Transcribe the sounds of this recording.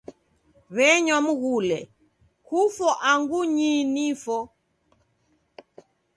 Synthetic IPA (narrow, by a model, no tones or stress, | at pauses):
βɛɲwamuɣulɛ | kufɔʔaŋɡuɲinifɔ